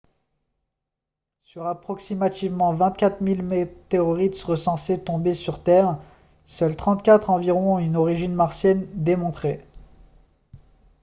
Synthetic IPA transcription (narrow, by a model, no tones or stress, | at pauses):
syʁapχɔksimat̪ivmɑ̃vɛ̃t̪kʲat̪χmilmet̪eɔʁit̪ʁəsɑ̃set̪ɔ̃besyʁt̪ɛːʁ | sœlt̪χɑ̃t̪kʲat̪χɑ̃viʁɔ̃ynɔʁiʒinmaʁsjɛnd̪emɔ̃t̪χe